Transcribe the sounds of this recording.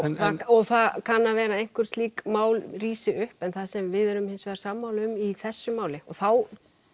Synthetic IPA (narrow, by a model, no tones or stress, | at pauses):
θaɔɣθaðkʰanːavɛːɾaejnŋ̥kvʏɾ̥stliːkmaːwlriːsɪʏhpɛnθasɛmvɪðɛɾʏmhɪnsvɛːðɾsaːmːaːwlʏmiθɛsːʏmaːwlɪɔθaw